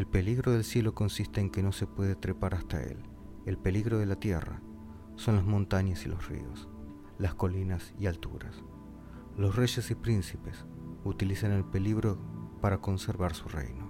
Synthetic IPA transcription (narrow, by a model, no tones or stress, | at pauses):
elpe̞liɣɾo̞ðe̞lsje̞lo̞ko̞nsist̪e̞ːŋkeno̞se̞pwe̞ðet̪ɾepaɾast̪a̰ḛl | e̞lpe̞liɣɾo̞ðe̞lat̪je̞̰ra̰ | so̞nlazmõ̞nt̪aɲasilo̞srḭo̞̰s | lasko̞linasialt̪ṵɾa̰s | losre̞ʒe̞sipɾinsipe̞s | ut̪ilisane̞lpe̞liɣɾo̞paɾako̞nseɾβaɾsurḛjno̞